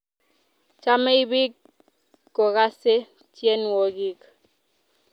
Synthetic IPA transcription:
t͡ʃa˦me˦i˦bi˦kː | ɔ˨ɣa˦se˦ | t͡ʃjɛ˦n˨wɔ˨ɣi˦k

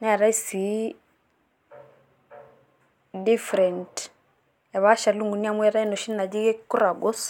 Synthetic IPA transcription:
na˦˨ɾa˦i˦si˨ | di˦fɾɛ˨nt | a˨βa˦ʃa˨lu˦ŋɡu˨ni˦a˦˨mwɛ˦ɾa˦i˦no˨ʃi˦nːa˨d͡ʒi˦ɡe˦kːu˦ɾa˨ɡɔ˦s

